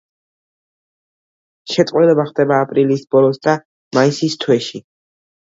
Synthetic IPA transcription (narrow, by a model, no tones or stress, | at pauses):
ʃɛt̪ʼwilɛbaχd̪ɛbaːpʼɾilisb̥ɔlˠɔsd̪a | maisist̪ʰwɛʃi